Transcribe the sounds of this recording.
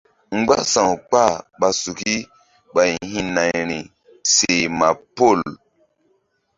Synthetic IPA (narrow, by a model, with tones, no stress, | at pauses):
ŋ͡mɡ͡ba̰˦sã˨wk͡pa˦˨ɓa˨su˨ki˦ | ɓa˨jhĩ˦na˨jɾi˨ | se˨ma˨po˦˨l